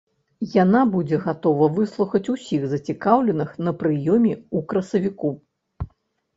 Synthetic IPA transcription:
janabud͡zʲɛɣat̪ɔvɐvɨslˠuxɐt͡sʲusʲiɣzɐt͡sʲikawlʲɛnɨxnɐpɾɨjɔmʲɛukɾɐsɐvʲiku

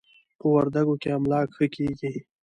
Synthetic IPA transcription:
pəwaɾd̪aɡokeamlɑːkxəkiːɡi

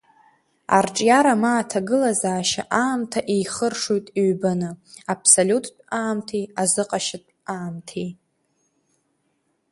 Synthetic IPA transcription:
a̰rʈ͡ʂʼjaɾamaːtʰaɡɨlazaːʃa̰ʔaːmtʰaʔejχərʂujtʼiɥbanɨapʰsolʲutʰʼaːmtʰijazɨqʼaʃɪtʼaːmtʰij

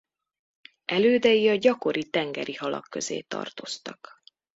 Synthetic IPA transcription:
ʔɛløːd̪ɛjiɒɟɒko̞ɾit̪ɛŋɡɛɾihɒlɒ̰kːø̞zḛːt̪ɒ̰rt̪o̞st̪ɒk

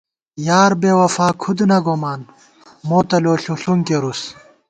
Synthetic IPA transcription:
jaːɾbeːwɐfaːkʰud̪nɐɡomaːn | moːt̪ɐloːɬuɬuŋkeɾus

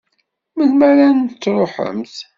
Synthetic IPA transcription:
məθmæɾanət͡sːɾˤoħə̰mθ

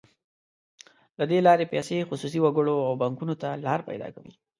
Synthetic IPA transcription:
lad̪elɑɾepasexʊsus̬iwaɡəɽoawbaŋkunot̪alɑɾpa̰jd̪ɑ̰kawḭ

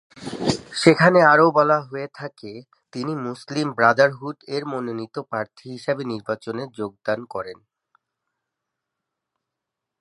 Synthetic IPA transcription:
ʃekʰaneaɾobɔlaɦoet̪ʰake | t̪inimuslimbɾad̪aɾɦuʈeɾmononit̪opɾaɾt̪ʰiɦiʃabeniɾbat͡ɕoneɾd͡ʑoɡ̚d̪ankɔɾen

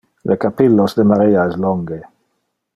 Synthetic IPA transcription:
lʔekapilːosd̪emaɾiːaɛsloŋɡe

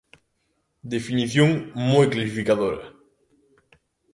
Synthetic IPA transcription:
d̪efiniθjoŋmojklasifikaðoɾɐ̰

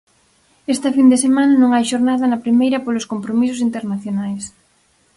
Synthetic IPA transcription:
est̪ɐfind̪esemãnɐnõŋajʃoɾnaðɐnɐpɾimejɾɐpolʊskompɾomisʊsint̪eɾnaθjonajs

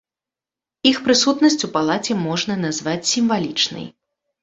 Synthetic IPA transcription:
ixpɾɨsut̪nɐsʲt͡sʲupalˠat͡sʲɛmɔʐnɐnazvat͡sʲsʲimvalʲit͡ʂnɨ̰j

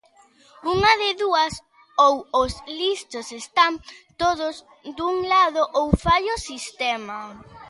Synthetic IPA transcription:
uŋɐðɪðuɐs | owozlist̪osest̪ant̪oðʊz | d̪uŋlaðoʔowfajosist̪ɛmɐ

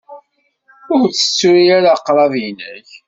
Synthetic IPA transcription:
ʊɾt͡sːə̥t͡sːʊɾiaɾaqːɾˤɑvjnæç

